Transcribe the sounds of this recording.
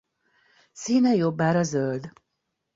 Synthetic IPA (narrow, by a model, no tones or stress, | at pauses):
siːnɛjo̞bːaːɾɒzøld̪